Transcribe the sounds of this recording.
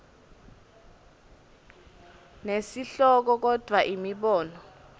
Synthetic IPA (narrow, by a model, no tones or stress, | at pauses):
nesiɬɔk̬ɔk̬ɔd̥ʱwaʔimiɓɔːnɔ